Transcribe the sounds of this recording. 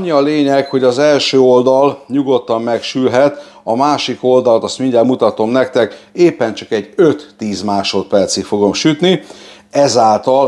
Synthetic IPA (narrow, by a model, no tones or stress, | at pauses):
ɲːiɒleːɲɛkho̞ɟɒzɛlʃøːo̞ld̪ɒlɲuɡo̞t̪ːɒmmɛkʃylɦɛt̪ | ɒmaːʃiko̞ld̪ɒlt̪ɒst̪miɲɟɛlmut̪ɒt̪o̞mnɛk̚t̪ɛkeːpːɛnt͡ʃɒkɛɟøt̪ːiːzmaːʃo̞t̪pɛrt̪sifo̞ɡo̞mʃyt̪ni | ɛzaːlt̪ɒl